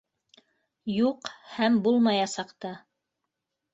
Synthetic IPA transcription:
juqhæmbulˠmɑjɑsɑqt̪ɑ

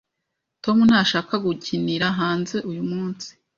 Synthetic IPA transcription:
to̞munhaːʃaːkaɡuciniɾaɦaːnze̞ʔujumŋuːnsi̥

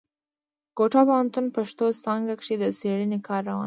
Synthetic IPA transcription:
ɡ̥oʈɑpawant̪unpaʂt̪osɑŋɡakʂid̪əseɽənekʰɑɾːawɑ̰n

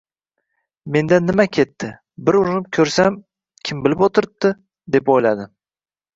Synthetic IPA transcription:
me̞nd̪anːɪmakʲʰe̞t̪ʰːɪ | bɪɾʊɾɪnɪp̚kʲʰɵɾsam | kʲʰɪmbɪlɪpot̪ʰɪɾɪp̚t̪ɪ | d̪e̞pojlad̪ɪ

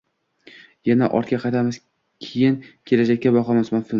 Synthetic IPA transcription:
janaʔɒ̰ɾt̪̚kʲaqʰɑt̪ʰamɪz̥ | kʲʰejɪnkʲʰe̞lad͡ʒakʲːabɒqɒmasmafɪ

